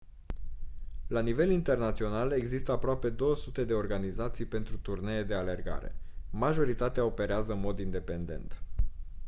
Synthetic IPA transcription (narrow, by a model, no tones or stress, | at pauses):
lanive̞lint̪e̞rnat̪sio̞nale̞ɡzist̪əapɾoape̞d̪o̞wəsut̪e̞d̪e̞o̞rɡanizat̪sijpe̞nt̪ɾut̪urne̞jed̪e̞ale̞rɡa̰ɾe̞̰maʒo̞ɾit̪at̪eao̞pe̞ɾeazəɨnmo̞d̪ind̪e̞pe̞nd̪e̞̰nt̪